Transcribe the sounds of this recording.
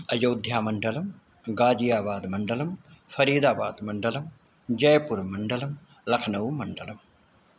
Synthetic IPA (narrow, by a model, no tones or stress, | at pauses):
ɐjoːd̪ʱjaːmɐɳɖɐlɐm | ɡaːd͡ʒijaːbaːd̪mɐɳɖɐlɐmfɐɾiːd̪aːbaːd̪mɐɳɖɐlɐm | d͡ʒɐjɐpuɾmɐɳɖɐlɐm | lɐkʰɐnɐʋmɐɳɖɐlɐm